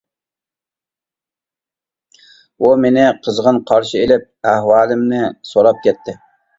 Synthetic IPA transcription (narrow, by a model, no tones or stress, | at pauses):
umenɪqʰəzʁənqʰɑɾʃɪelɪp̚æhwɑːlˠɪmnɪsoɾɑp̚kʲɛt̪ʰːɪ